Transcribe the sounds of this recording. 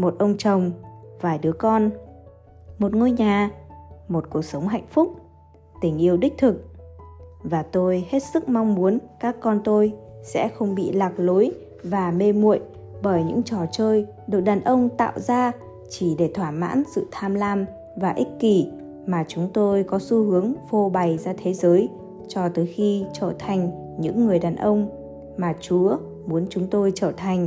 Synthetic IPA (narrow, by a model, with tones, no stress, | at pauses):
mo˨˩t̚ʔə˧wŋ͡mt͡ɕə˨˩wŋ͡mvaː˨˩jɗɨ˨˦əkɔ˧n | mo˨˩t̚ŋo˧jɲaː˨˩mo˨˩t̚ku˨˩ək̚sə˨˦wŋ͡mɦa̰˧˨jŋ̟fʊ˦˥k͡p̚ | t̪ï˧˩ŋ̟ʔi˧əwɗi˦˥k̟̚t̪ʰɨ˨˩k̚ | vaː˨˩t̪o˧jhe˦˥t̚sɨ˦˥k̚ma˧wŋ͡mmu˨˦ənkaː˦˥kːɔ˧nt̪o˧jsɛ̰˧˥xə˧wŋ͡mɓḭ˧˨laː˨˩k̚lo˨˦j | vaː˨˩me˧mṵ˧˨əj | ɓəː˧˩jɲɨ̰˧˥ŋt͡ɕɔ˧˩t͡ɕəː˧j | ɗɨ˨˩ək̚ɗaː˨˩nʔə˧wŋ͡mt̪a̰ː˧˨wzaː˧ | t͡ɕi˧˩ɗe˧˩t̪ʰwaː˧˩ma̰ː˧˥nsɨ̰˧˨t̪ʰaː˧mlaː˧m | vaː˨˩ʔï˦˥k̟̚ki˧˩ | maː˨˩t͡ɕʊ˨˦ŋ͡mt̪o˧jkɔ˨˦su˧hɨ˨˦əŋfo˧ɓa˨˩jzaː˧t̪ʰe˨˦zəː˨˦j | t͡ɕɔ˧t̪ɨː˨˦jxi˧t͡ɕəː˧˩t̪ʰa˨˩jŋ̟ | ɲɨ̰˧˥ŋːɨ˨˩əjɗaː˨˩nʔə˧wŋ͡m | maː˨˩t͡ɕu˨˦ə | mu˨˦ənt͡ɕʊ˨˦ŋ͡mt̪o˧jt͡ɕəː˧˩t̪ʰa˨˩jŋ̟